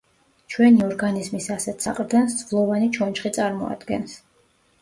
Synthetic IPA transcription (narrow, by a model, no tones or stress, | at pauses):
t͡ʃʰwɛniɔɾɡanizmisasɛt̪ʰsa̰qʼɾd̪ɛnsd̪zʼvlˠɔvanit͡ʃʰɔnt͡ʃχit̪sʼaɾmɔ̰a̰d̪̥ɡɛ̰ns